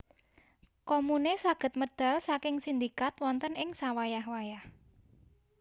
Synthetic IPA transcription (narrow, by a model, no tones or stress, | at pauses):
kɔmunesaɡ̥ə̤t̪̚məd̪̥a̤lsakɪŋsind̪ikat̪wɔnt̪ənɪŋsawajahwajah